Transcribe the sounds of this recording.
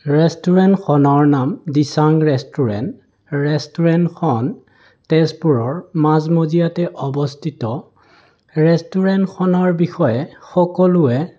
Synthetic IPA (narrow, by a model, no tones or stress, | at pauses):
ɹɛstuɹɛntxɔnɔɹnamdisaŋɹɛstuɹɛ̰nt | ɹɛstuɹɛntxʰɔn | tɛspuɹɔɹmazmozijatɛʔɔbɔstʰitɔ | ɹɛstuɹɛntxʰɔnɔɹbixɔjɛxɔkɔlʊɛ